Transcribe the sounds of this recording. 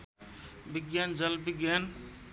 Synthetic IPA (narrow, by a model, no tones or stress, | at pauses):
biɡjaːnd͡ʒɐlbiɡjaːn